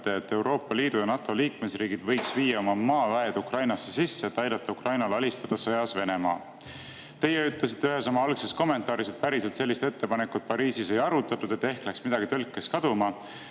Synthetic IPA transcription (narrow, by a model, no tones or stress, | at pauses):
t̪eːt̪ːˑe̞wɾo̞ːpːˑɑliːd̪̥ujɑnɑt̪ːˑo̞liːkme̞sriːɡid̪vɤ̞jksviːjɑo̞mɑmɑːvæe̞d̪ukrɑjnɑsːesisːe̞ːt̪ːɑjd̪ɑt̪ːɑukrɑjnɑlɑlist̪ɑd̪̥ɑsɤjɑsve̞ne̞mɑː | t̪e̞jeyt̪le̞s̬it̪ːeyɦe̞somɑɑlkse̞sko̞mːe̞nt̪ːˑɑːɾiset̪̚pæɾise̞lt̪se̞lːist̪et̪ːe̞pɑnekːut̪̚pɑɾiːsise̞jɑɾut̪ːˑɑt̪ːud̪e̞t̪ːe̞hklæksmid̪ɑɡ̥it̪ølkːˑeskɑd̪̥umɑ